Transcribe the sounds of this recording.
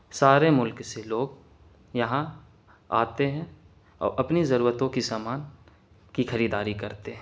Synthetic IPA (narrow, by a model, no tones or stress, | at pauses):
saːɾemʊlkseloːɡ | jɐɦã | a̰ːt̪eɦɛ̃ | ɔ̰ːɾɐpnizɐɾuːɾət̪õkisaːmaːn | kixɐɾiːd̪aːɾikɐɾt̪eɦɛ̃